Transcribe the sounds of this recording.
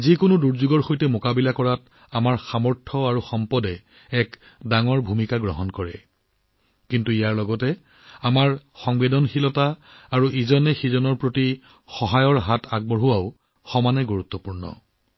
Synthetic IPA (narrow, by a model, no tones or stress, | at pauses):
zikʊnʊduɹzuɡɔɹxojtɛmokabilakɔɹat | amaɹxamɔɹtʰɔaɹuxɔmpɔdɛ | ɛk | daŋɔɹbʱumikaɡɹɔɦɔnkɔɹɛ̰ | kintuijaɹlɔɡɔtɛ | amaɹxɔŋbedɔnxilɔtaː | ɹuʔizɔnɛxizɔnɔɹpɹoti | xɔɦajɔɹɦatʰaɡ̚bɔɹuwaʊ | xɔmanɛɡuɹut̪ːɔpuɹnɔ̰